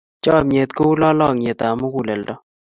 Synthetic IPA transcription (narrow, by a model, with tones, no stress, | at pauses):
t͡ʃɔ˦˨me˨t̪ko˦u˦lɔ˦lɔ˦˨ŋe˨t̪a˨mu˦ku˨lɛ˨ldɔ˦